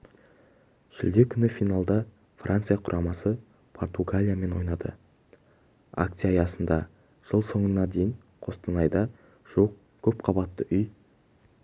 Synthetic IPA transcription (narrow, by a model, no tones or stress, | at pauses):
ʒ̥ɪ̰ld̪ekʲʰʏnɪfijnalˠd̪ɑ | frʔant̪sɨjaqʰʊɾʔɑmɑsə | pʰo̞rt̪uɡalʲijame̞nwo̞jnɑd̪ə̰ | a̰k̚t̪sijɑːjɑsənd̪ɑ | ʒ̥əlˠso̞ɴənːɑd̪e̞jɪɴ | qʰo̞st̪ɑnɑjd̪ɑ | ʒ̥uwəq̚ | kʲʰɵp̚qʰɑbɑt̪ːəʔʏj